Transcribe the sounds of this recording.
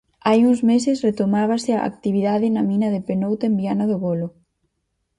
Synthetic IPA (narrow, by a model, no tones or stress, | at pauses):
ajuŋzmesɪsret̪omaβ̞asɪaa̰k̚t̪iβiðaðɪnɐmĩnɐðɪpenowt̪embianɐðʊɣolʊ